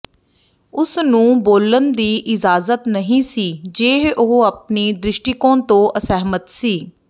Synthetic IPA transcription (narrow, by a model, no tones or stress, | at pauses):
ʊsnũːboːlənd̪iːʔɪd͡ʒaːzət̪nəɦĩːsiːd͡ʒeːɦʊɦap̚niːd̪ɾɪʃʈɪkõːt̪õːʔəsɛɦmət̪siː